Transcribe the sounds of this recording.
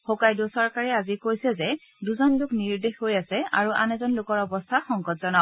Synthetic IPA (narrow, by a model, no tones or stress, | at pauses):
xokajdusɔɹkaɹɛazikojsɛzɛ | duzɔnlʊkniɹdexhojasɛa̰ɹuʔa̰nɛzɔnlʊkɔɹɔbɔst̪ʰaxɔŋɡɔtz̥ɔnaʊ